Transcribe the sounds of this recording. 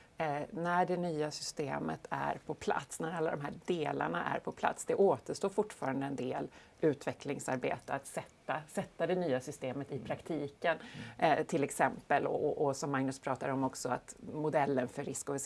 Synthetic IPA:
næɖɛnyːasʏst̪ḛːmə̰t̪ʰæ̰ɾpʰɔpʰla̰t̪snæɾalːad̪ɔ̰mɦæːɖeːla̰ɳa̰ʔæ̰ɾpʰɔpʰla̰t̪sd̪ɛʔoːt̪əʂʈoːɾfʊʈːfɑːɾand̪əɛnd̪eːl | ʉ̟ːt̪vɛklɪŋsaɾbḛːt̪əat̪sɛt̪ːasɛt̪ːad̪ɛnyːasʏst̪eːmət̪ɪpʰɾakt̪ʰiːkənt̪ʰɪlɛksɛmpəlɔ̰ɔʔɔsɔmːaŋnɵspʰɾɑːt̪ad̪ɔmɔksɔa̰t̪mʊd̪ɛlːənfœɾːɪskɔvɪ

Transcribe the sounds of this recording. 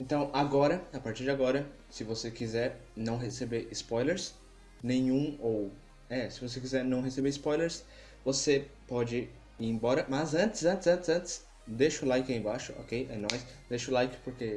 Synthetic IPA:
ẽnt̪ɐ̃w̃aɡɔɾɐapaɾt͡ʃiɾd͡ʒɪaɡɔɾɐ | sɪvosekizɛɾnɐ̃w̃ɦesebeɪspɔjleɾs | nẽj̃ũow | ɛsɪvos̬ek̬izɛɾnɐ̃w̃ɦesebeɪspɔjleɾs | vosepɔd͡ʒɪ | iẽbɔɾɐmɐzɐ̃nt̪ɪ̥zɐ̃nt̪ɪzɐ̃nt̪ɪzɐ̃nt̪ɪ̥s | d̪eʃʊlajkɪaẽbaʃʊo̰kejɛnɔjsd̪eʃʊlajkɪ̥poɾke

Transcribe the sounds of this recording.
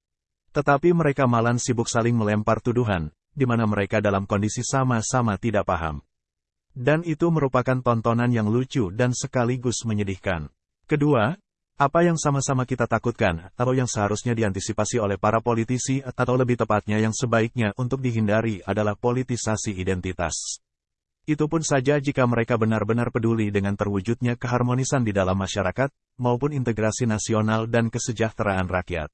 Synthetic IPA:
t̪ət̪apiməɾekamalansibʊksalɪŋməlɛmpart̪uduɦan | dimanaməɾekadalamkɔndisisamasamat̪idaʔpaɦa̰m | danit̪uməɾupakant̪ɔnt̪ɔnanjaŋlut͡ʃudansəkaliɡʊsməɲədihka̰n | kədua | apajaŋsamasamakit̪at̪akut̪̚kanat̪awjaŋsəɦaɾusɲadiant̪isipasiolɛhpaɾapolit̪isiat̪awləbɪht̪əpat̪̚ɲajaŋsəbaik̚ɲaʔunt̪ʊk̚diɦindaɾiadalahpolit̪isasiidɛnt̪it̪a̰s | it̪upʊnsad͡ʒad͡ʒikaməɾekabənarbənarpədulidəŋant̪ərwud͡ʒut̪̚ɲakəɦarmonisandidalamːaʃaɾakat̪̚ | maupʊnint̪əɡɾasinasionaldankəsəd͡ʒaht̪əɾaːnrakija̰t̪̚

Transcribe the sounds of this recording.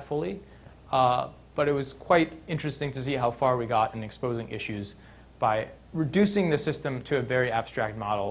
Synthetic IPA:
fl̩ˠi | b̥ʌɾɨt̚wʌz̥kʰw̥aɪɾɪ̃nt͡ʃɹ̥ɨstɪ̃ŋtʰɨs̬iɦaʊfɑɹwiɡɑɾɨ̃nɨkspoʊzɪ̃ŋʔɪ̰ʃʉz | b̥aɪ | ɹɨdʉsɪ̃ŋðɨsɪstɨ̃mtʰɨːvɛɹiæb̥stɹ̥æ̰k̚t̚mɑɾl̩ˠ

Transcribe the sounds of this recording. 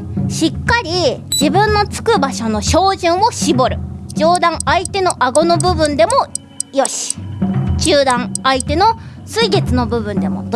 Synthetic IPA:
ɕikːaɾʲid͡ʑibɯ̟̃nːo̞t͡sɨ̥kɯ̟baɕo̞no̞ɕo̞ːʑɨ̃ɰ̃o̞ɕibo̞ɾɯ̟d͡ʑo̞ːd̪ãŋait̪e̞no̞ʔaɡo̞no̞bɯ̟bɯ̟̃nd̪e̞mo | jo̞ɕi̥t͡ɕɨːd̪ãŋait̪e̞no̞sɨiɡe̞t͡sɨno̞bɯ̟bɯ̟̃nd̪e̞mo̞̰t̪

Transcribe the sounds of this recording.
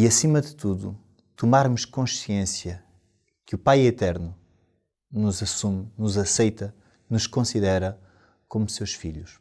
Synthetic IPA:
iɐsimɐðɨt̪uðṵ | t̪umaɾmuʃkõʃiẽsjɐ | kupajet̪ɛɾnu | nuzɐsumnuzɐsɐjt̪ɐ | nuʃkõsiðɛɾɐ | komusewʃfḭʎuʃ

